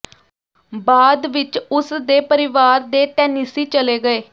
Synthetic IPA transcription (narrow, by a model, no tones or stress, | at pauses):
baːd̪ʋɪt͡ʃʊsd̪eːpəɾɪʋaːɾd̪eːʈɛːnisiːt͡ʃəleːɡəeː